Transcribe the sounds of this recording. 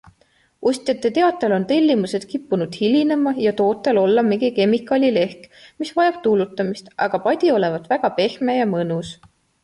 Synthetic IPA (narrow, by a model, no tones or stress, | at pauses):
ʔust̪ʲjɑt̪ːˑet̪e̞ɑt̪ːˑelo̞nt̪e̞lʲːimuse̞d̪̥kipːunud̪̥hilʲine̞mɑjɑt̪o̞ːt̪ːˑelo̞lːɑmeɡike̞mːikːˑɑlʲile̞hkmisvɑjɑb̥t̪ulut̪ːˑɑmist̪ʔɑɡ̥ɑpɑd̪̥ʲio̞le̞vɑt̪ːˑvæɡ̥ɑpe̞hmejɑmɤnus